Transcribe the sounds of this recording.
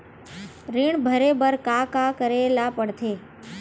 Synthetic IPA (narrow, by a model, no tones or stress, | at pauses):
ɾiɳ̃bʱəɾebəɾkakakəɾelapəɽt̪ʰe